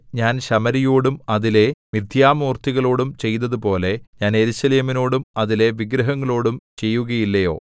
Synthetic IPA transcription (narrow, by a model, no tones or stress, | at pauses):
ɲaːnɕɐmɐɾijoːɽumɐðile̞mid̪ʱjaːmuːrt̪iɣɐɭo̞ːɽumt͡ɕe̞jnɐðupo̞ːle̞ɲaːne̞ɾuɕɐleːmino̞ːɽumɐðile̞ʋiɡɾɐɦɐŋːɐɭo̞ːɽumt͡ɕe̞jːuɣɐjilːɐjo̞ː